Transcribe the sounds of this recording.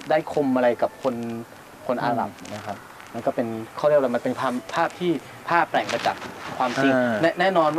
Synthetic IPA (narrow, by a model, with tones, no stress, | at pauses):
daː˥˩jkʰo˧mʔa˧ɾa˧jka˨˩p̚kʰo˧n | kʰo˧nʔa̰ː˧ɾa̰˨˩p̚ | ma˧nkɔː˥˩pe˧nkʰwɾi˥˩k̚wa˥˩m˧npe˧npʰaː˥˩aː˥˩p̚t̪ʰiː˥˩ | pʰaː˥˩pːɾɛː˨˩ŋma˧jt͡ɕa̰ː˨˩k̚kʰwaː˧mt͡ɕi˧ŋnɛ˥nɛː˥˩nɔː˧nw